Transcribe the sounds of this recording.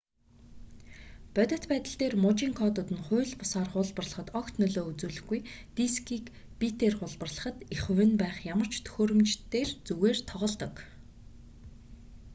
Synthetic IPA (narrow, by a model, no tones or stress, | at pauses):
pœt̪ʲə̆t̪pæːt̪ə̆ɬt̪eːrmʊt͡ɕiːŋkʰɔt̪ʊːt̪ɘ̆nχʊ̟ːɮpʊsaːrχʊːɮpə̆rɮə̆χə̆t̪ɔkt̪nɵɮoːut͡suːɮɘ̆xɡujt̪iskiːk | pit̪eːrχʊɮpə̆rɮə̥̆χə̆t̪iχɵwɘ̆npæːχjamə̆r̥t͡ɕʰt̪ʰɵ̥xʲoːɾɵ̆mt͡ɕt̪ːeːrt͡suɣeːrt̪ʰɔʁɞ̆ɮt̪ə̆k